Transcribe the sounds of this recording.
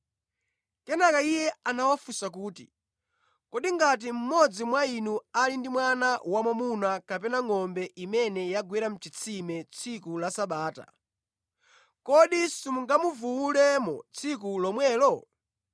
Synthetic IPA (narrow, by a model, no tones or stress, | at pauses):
kɛnakaijɛanawafusakuːtḭ | kɔɗiŋɡat̬im̩mɔd͡zimwainualindimwanawamamunakapɛnaŋɔmbɛʔimɛnɛjaɡwiɾam̩t͡ʃit͡sʰimɛt͡sʰikulasaɓaːta̰ | kɔɗisumuŋɡamuvuwulɛmɔ̰t͡sʰikulɔmwɛːlɔ